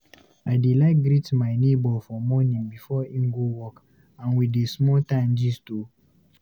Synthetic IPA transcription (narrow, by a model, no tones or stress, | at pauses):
aɪdilaɪk̚ɡɾitmaɪnebɔlfɔmɔnĩŋbifɔim̩ɡowɔk | ãnwidesmɔtãɪnd͡ʒistu